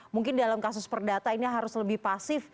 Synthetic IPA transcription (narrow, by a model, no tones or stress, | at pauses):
muŋkɪndalamkasʊspərdat̪ainiɦaɾʊsləbɪhpasɪf